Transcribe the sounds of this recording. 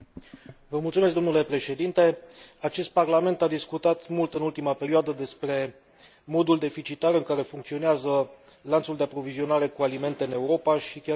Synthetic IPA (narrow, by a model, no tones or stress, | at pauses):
vəmult̪sumes̬k̬̚d̪o̞nule̞pɾe̞ʃe̞d̪int̪e̞at͡ʃe̞st̪̚parlame̞nt̪ad̪iskut̪at̪mult̪ɨnult̪imape̞ɾioad̪əd̪e̞spɾe̞ | mo̞d̪uld̪e̞fit͡ʃit̪aɾɨŋkaɾe̞fuŋkt̪sio̞neazə | lant̪suld̪e̞apɾo̞vizio̞naɾe̞kualime̞nt̪e̞ɨne̞uɾo̞paʃikʲa